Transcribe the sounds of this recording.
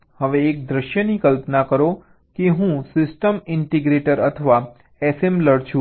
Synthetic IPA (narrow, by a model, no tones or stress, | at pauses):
həʋeːk̚d̪ɾəʃjənikəlpənakəɾo | keɦũsɪsʈəmɪɳʈiɡɾeʈəɾət̪ʰəʋa | ɛsemləɽt͡ʃʰũ